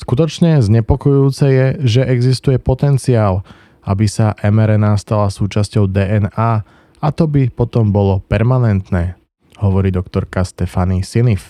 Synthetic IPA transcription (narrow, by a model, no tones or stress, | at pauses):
skut̪ɔt͡ʃɲɛzɲɛpɔkɔjuuːt͡sɛjɛʒɛʔɛɡzist̪ujɛpɔt̪ɛnt͡siaːl | a̰bisaʔɛmɛɾɛnast̪alasuːt͡ʃascɔʊd̪ɛːɛnaː | at̪ɔbipɔt̪ɔmbɔlɔpɛɾmanɛnt̪nɛː | hɔʋɔɾiːd̪ɔkt̪ɔɾkast̪ɛfanisinif